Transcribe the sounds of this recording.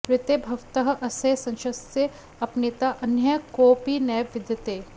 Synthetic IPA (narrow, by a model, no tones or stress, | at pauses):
ɾɪt̪ebʱɐʋt̪ɐɦʔɐsɐjsɐ̃nʃɐse | ɐpnɪt̪aʔɐnjɐkoːpinɐjʋɪd̪jt̪eː